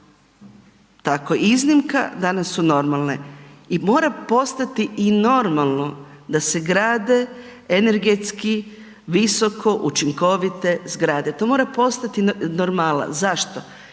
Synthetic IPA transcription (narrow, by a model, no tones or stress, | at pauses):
t̪akoiznimka̰d̪anasːuno̞ɾmalˠneimo̞ːɾapo̞st̪at̪iʔino̞ɾmalˠno̞ | d̪ase̞ɡɾaːd̪e̞ | ene̞ɾɡet̪ski | ʋiso̞kʰo̞ʔut͡ʃiŋko̞ʋit̪e̞zɡɾaːd̪et̪o̞mo̞ːɾapo̞st̪at̪inoɾmalˠna̰zaʃt̪o